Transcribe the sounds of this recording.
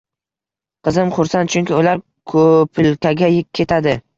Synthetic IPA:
qɨzɪmχʊɾsant͡ʃʰʊŋkʲɪʊlaɾ | kʰopʰɪlkʲʰaɡʲajɪe̞t̪ʰad̪ɪ

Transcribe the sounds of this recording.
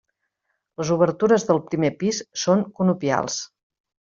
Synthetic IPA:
ləzuβ̞əɾt̪uɾəzðəlˠpɾimepisːoŋkunupia̰lˠs

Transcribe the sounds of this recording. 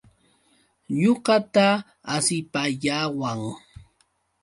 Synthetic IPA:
ɲoɢɑt̪aː | sɪpaʎaːwaŋ

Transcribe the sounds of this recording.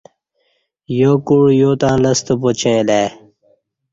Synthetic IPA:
joːkuɽjoːt̪ãːlɐst̪opot͡ɕʰeːleː

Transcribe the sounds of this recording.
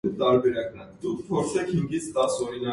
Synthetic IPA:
t̪ɑɾbɛɾɑknɛd̪ukʰpʰɔɾt͡sʰɛkʰhiŋɡit͡sʰt̪ɑsɔɾinɑ

